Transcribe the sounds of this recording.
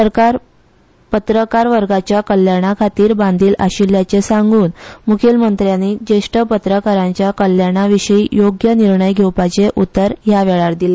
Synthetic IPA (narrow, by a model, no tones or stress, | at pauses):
əɾkaɾ | pət̪ɾəkaɾʋəɾɡat͡ɕjakəljaɽ̃akʰat̪iːɾband̪ʱiːlʔa̰ɕiljat͡sesaŋɡuːnmukʰelmənt̪ɾjanid͡ʑeʂʈəpət̪ɾəkaɾãɲt͡ɕjakəljaɽ̃aʋiɕəijoɡjəniɾɳəjɡʱewpat͡ɕeʔut̪ːəɾɦjaʋɛɭaɾd̪ile